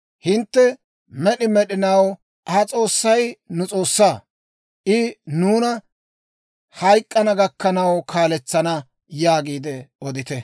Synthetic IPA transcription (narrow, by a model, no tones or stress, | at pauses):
hɪnt̪ːɛ | mɛɗɪmɛɗɪnɐw | ɐt͡sʼo̞ːsːɐjnʊt͡sʼo̞ːsːaː | ʔɪnuːnɐ | hɐjkʼːɐnɐɡɐkːɐnɐwkʰaːlɛt͡sːɐnɐ | jaːɡiːd̪ɛɔd̪ɪt̪ɛ